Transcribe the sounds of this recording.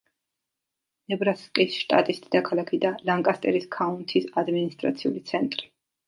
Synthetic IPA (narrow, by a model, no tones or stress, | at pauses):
nɛbɾaskʼisʃt̪ʼa̰t̪ʼist̪ʼid̪akʰalˠakʰid̪alaŋkʼast̪ʼɛ̰ɾiskʰaunt̪ʰisad̪minist̪ʼɾa̰t̪sʰiṵlit̪sʰɛnt̪ʼɾi